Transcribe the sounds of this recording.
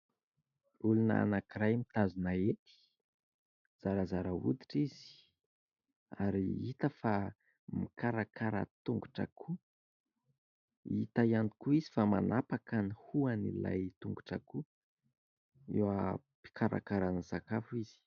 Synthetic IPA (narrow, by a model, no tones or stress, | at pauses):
uluna̰a̰nakiɾajmit̪azunaet̪i̥ | z̥aɾazaɾaṵd̪i̥ʈ͡ʂizi̥ | a̰ɾiit̪əfa | mikaɾakaɾə̰t̪uŋɡuʈ͡ʂa̰kʰu | it̪ajani̥kuizifama̰napakanihuanḭla̰jt̪uŋɡuʈ͡ʂa̰ku | ewa | pi̥kʰaɾa̰kaɾanisakafuiz̥i̥